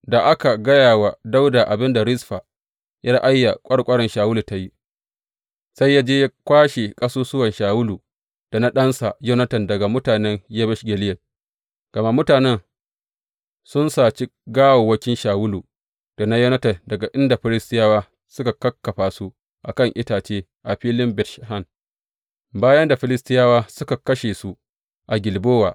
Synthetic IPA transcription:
da˨ʔa˦ka˨ɡɐ˦jaː˨wa˨da˦wda˨ʔa˨bɪ˦nda˨ɾɪ˦sɸa˨ | ja˦ʔa˦jːa˨kʷʼɐ˦ɽkʷʼɐ˦ɽɐ˨nʃaː˨wʊ˦luː˨ta˦ji˦ | sa˦jːaː˦d͡ʒeː˦ja˦kʷaː˦ʃe˨kʼɐ˦suː˦sʊ˦wɐ˨nʃaː˨wʊ˦luː˨ | d̥a˨na˦ɗɐ˦nsa˨jo˦nɐ˦tɐ˨ndɐ˨ɡa˨mʊ˦taː˨nɛ˦ŋjɐ˦bɐ˦ʃɡʲe˨lɪ˦jɐ˨n | ɡ̥ɐ˨ma˦mʊ˦taː˨nɛ˦n | sʊ˦nsaː˨t͡ʃi˦ɡaː˦woː˨wɐ˦kʲɪ˦nʃaː˨wʊ˦luː˨ | d̥a˨na˦jɐ˦nɐ˦tɐ˨dɐ˨ɡa˨ʔɪ˦nda˨ɸɪ˦lɪ˦stɪ˦jaː˦waː˦ | sʊ˦ka˨kːɐ˦kːɐ˨ɸaː˨su˦ | ʔa̰˨kɐ˦˨ŋʔɪ˦taː˨t͡ʃeː˦ | ʔa˨ɸiː˦lɪ˦mbɛ˨tʃa˨ha˦n | baː˦jɐ˦nda˨ɸɪ˦lɪ˦stɪ˦jaː˦waː˦sʊ˦ka˨kɐ˦ʃeː˨su˦ | ʔa˨ɡʲɪ˨lboː˦waː˨

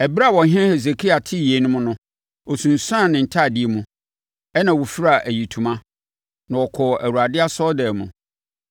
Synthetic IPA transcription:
ɛ˨ba˦˨wɔ̃˨ɦɛ̃˦he˨ze˨kʰi˦a˨tʰɪ˦˨je˨˦nʊ̃˦mʊ̃˦nʊ̃˦ | ɔ˨sũ˨n̩˨sã˦˨nɪ̃˨n̩˨tʰa˦˨dɪ˦e˦mũ˨ | ɛ˦nã˨wo˨fi˦ɾa˦˨ʔæ˨ji˨tʰũ˨mã˦ | nã˨ɔ˨kʰɔ˨ʔæ̰˨wu˨a˨dɪ˦a˦sɔ˦dɛː˨mṵ̃˨

